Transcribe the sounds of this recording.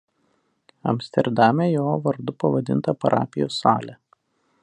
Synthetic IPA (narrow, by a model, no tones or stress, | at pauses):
ɐ̰mʲsʲt̪ʲɛɾd̪ɑːmʲɛjoːʋɐɾd̪ʊpɐʋɐd̪ʲɪnt̪ɐpɐɾʔɑ̰ːpʲɪjoːsːɑ̰ːlʲɛ